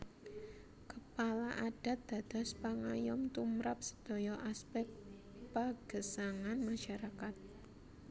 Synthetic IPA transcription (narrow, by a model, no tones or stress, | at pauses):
kəpalaʔaɖ̥a̤t̪̚d̪̥ä̤d̪̥ɔ̤spaŋajɔmt̪umɾap̚sə̥d̪̥ɔ̤jɔʔaspɛk̚ | paɡ̥əsaŋanmaʃaɾakat̪̚